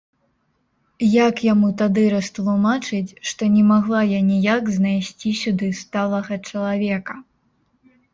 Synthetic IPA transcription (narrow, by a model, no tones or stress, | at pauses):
jakjamut̪ad̪ɨɾɐst̪lˠumat͡ʂɨt͡sʲʂt̪ɔnʲɛmaɣlˠajanʲijakznajsʲt͡sʲisʲud̪ɨst̪alˠɐɣɐt͡ʂɐlˠavʲɛkɐ